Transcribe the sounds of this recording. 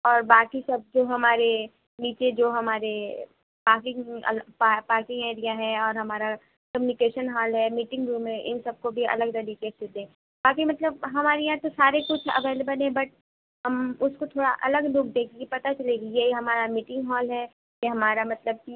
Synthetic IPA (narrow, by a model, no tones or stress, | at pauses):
ɔːɾbaːkisɐb̚d͡ʒoːɦɐmaːɾe | niːt͡ʃed͡ʒoːɦɐmaːɾe | paːkɪ̃ŋ̰lpapaːɾkɪ̃ŋɡeːɾijaɦɛɔːɾɦɐmaːɾa | kɐmjuːnɪkeːʃənɦɔːlɦɛmiːʈɪ̃ŋɡɾuːmɦɛ̃ʔɪ̰nsɐb̚kobʱiʔɐ̰ləɡd̪ɐɖiːkeːsɪd̪ẽː | baːkimɐt̪ləbɦɐmaːɾejãt̪osaːɾekʊt͡ʃʰɐ̰ʋeːlebəlẽbɐʈ̚ | ɦɐmʊskot̪ʰoːɽaʔɐləɡloːɡ̚d̪eːkʰeɡipɐt̪at͡ʃɐleːɡijeɦɐmaːɾamiːʈɪ̃ŋɡɦɔːlɦɛː | jeɦɐmaːɾamɐt̪ləb̚ki